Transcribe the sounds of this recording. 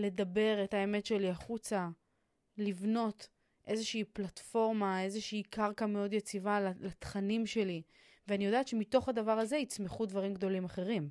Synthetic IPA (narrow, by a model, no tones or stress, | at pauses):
le̞dabe̞ʁetaeme̞tʃe̞liaχut͡sa | livno̞t | ʔe̞zeʃiːplatfo̞ʁmae̞zeʃiːkʰaʁkameo̞d̪jet͡sivalalat̪χanimʃe̞li | veanijo̞daːt̪ʃe̞mit̪o̞χhad̪avaʁaze̞it͡smeχudvaʁimɡd̪o̞limaχe̞ʁim